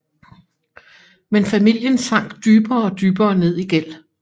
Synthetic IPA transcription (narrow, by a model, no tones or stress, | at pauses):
menfæmil̰jənsɑ̈ŋ̰ɡ̥d̥yːb̥ɐɒ̽d̥yːb̥ɐːne̝ð̰ˠiɡ̥el̰